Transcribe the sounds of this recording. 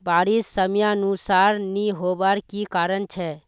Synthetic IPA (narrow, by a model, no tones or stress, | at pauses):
baːɾisːəmjanusaːɾniɦoːbaːɾkikaːɾənt͡ʃʰɛ